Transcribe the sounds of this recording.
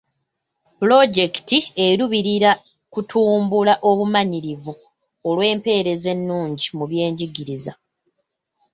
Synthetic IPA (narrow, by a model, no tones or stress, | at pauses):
plo̞ɟe̞ki̥tie̞ɾuβiɾiɾa | kutʰuːmbulaʔo̞βumaɲiɾivu | olwe̞ːmpe̞ːɾe̞ze̞nːuːɲɟimuβje̞ːɲɟiɡiɾiza̰